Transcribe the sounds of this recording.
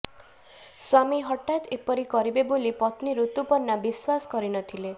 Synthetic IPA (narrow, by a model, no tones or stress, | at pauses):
swamiɦɔʈat̪epɔɾikɔɾibebolipɔt̪niɾut̪upɔɾnːabiswasɔ̥kɔɾinɔt̪ʰile